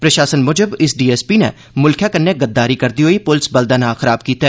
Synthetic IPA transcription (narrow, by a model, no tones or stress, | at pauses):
pɾɐʃaːsənmʊd͡ʒəbɪsɖiːɛːspiːnɛ̰ | mʊlkʰjaːkənːeɡət̪ːaːɾiːkəɾd̪iːɦoːiːpʊlsbəld̪aːnaːxəɾaːb̚kiːt̪ɛ